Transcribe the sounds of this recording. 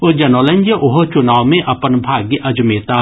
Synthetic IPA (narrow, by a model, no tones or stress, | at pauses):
od͡ʒɐnoːlə̃ɲd͡ʒəʔʊɦot͡ʃʊnaːwmẽʔɐpənbʱaːɡjʔɐd͡ʒmeːt̪aː